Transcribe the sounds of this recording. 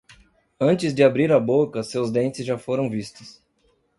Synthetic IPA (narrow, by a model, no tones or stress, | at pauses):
ɐ̃nt͡ʃɪzd̪ɪabɾiɾɐbokɐsewzd̪ẽnt͡ʃɪzʒafoɾɐ̃w̃vist̪ʊ̥s